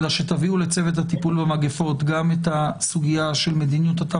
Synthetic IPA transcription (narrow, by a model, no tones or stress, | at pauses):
daʃet̪aviule̞t͡se̞vet̪̬hat̪ipulbemaɡefo̞t̪ɡamet̪asuɡijaʃe̞lme̞d̪injut̪hat̪a